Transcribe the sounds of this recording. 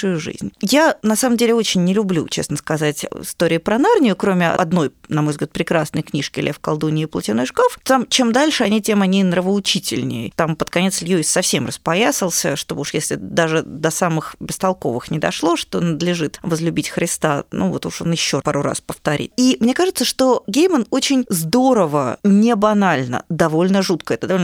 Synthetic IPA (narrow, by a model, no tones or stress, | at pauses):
ʊjʊʐɨ̰zʲnʲjanɐsaməmdʲelʲɪo̞t͡ɕɪnʲːɪlʲʊblʲṵt͡ɕḛsnəskɐzatʲɪ̰st̪oɾʲɪɪpɾɐnarnʲɪjʊkɾomʲɪɐ̰ɐd̪no̞jnɐmo̞jvzɡlʲat̪pɾʲɪkɾasnəjknʲiʂkʲɪlʲʔefkɐ̰lˠd̪unʲɪːplˠətʲɪnojʂkoft̪t̪amt͡ɕemd̪alʲʂɨɐnʲitʲe̞mɐnʲinrəvəʊt͡ɕitʲɪ̰lʲnʲɪ̰jət̪ampət̪kɐnʲe̞t̪slʲjuɪsʲsɐfsʲe̞mrəspɐjasʲəlˠsʲəʂt̪obuʂjesʲlʲɪ̰d̪aʐɨd̪ɐsamɨxbʲɪst̪ɐlˠko̞̰vɨxnʲɪd̪ɐ̰ʂlˠo̞ʂt̪o̞nəd̪lʲɪʐɨt̪vəzlʲʉbʲitʲxɾʲɪst̪anʔṵvot̪uʂo̞̰njɪɕːo̞paɾʊra̰spəft̪ɐɾʲḭt̪̚imnʲekaʐɨt̪səʂt̪o̞ɡʲejməno̞t͡ɕɪnʲzd̪o̞ɾəvənʲɪbɐnalʲnə̰d̪ɐvo̞lʲnəʐut̪kəɛt̪əd̪ɐvoln